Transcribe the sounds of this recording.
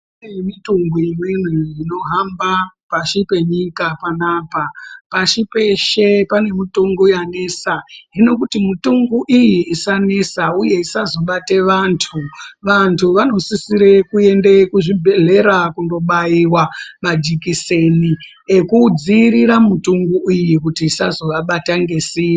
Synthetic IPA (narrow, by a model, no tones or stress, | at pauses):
emituŋɡuimwinwiino̞ɦambapaʃipe̞ɲikapanaːpapaʃipe̞ʃepane̞mituŋɡujane̞ːsaɦino̞kutimituŋɡuʔijiːsane̞sauje̞isazo̞ɓateʋantʰuʋantʰuʋano̞sisiɾe̞kue̞ndekuʐibʱeɮe̞ɾakundo̞ɓaiwamad͡ʒikiseni | ekud͡ziːɾiɾamutuŋɡuʔijikutiːsazo̞ʋaɓataŋɡe̞siː